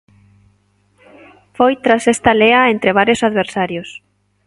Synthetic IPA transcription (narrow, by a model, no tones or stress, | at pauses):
fojt̪ɾasest̪aleɐent̪ɾeβaɾjosaðβeɾsaɾjos